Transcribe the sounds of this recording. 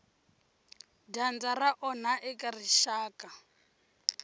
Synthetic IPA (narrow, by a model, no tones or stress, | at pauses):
dand͡zaraʔɔnaʔɛkʼariʃaːka